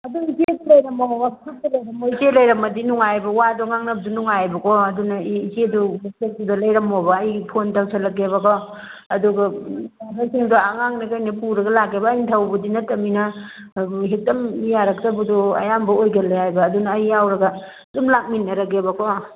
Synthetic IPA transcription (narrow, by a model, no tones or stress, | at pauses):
ɐduizek̚lɐjɾɐmɐowatʰuk̚tɐlɐjɾɐmoid͡ʒelɐjɾɐmɐdinuŋajbɐwadɔŋaŋnɐbdunuŋajbɐkʰoɐdunɐd͡ʒedusek̚tudɐlɐjɾɐmobɐːjpʰontawsʰɐlɐɡebɐkʰo | ɐduɡɐaɦasiŋduaŋaŋnɐkajnɐpuɾɐɡɐlakebɐːjntʰawbɐdinɐtːɐminɐ | ɦek̚dɐmijaɾɐk̚tɐbudoɐ̰jambɐojɡɐlajajbɐːdunɐjːawɾɐɡɐ | dumlak̚minːɐɾɐɡebɐkʰo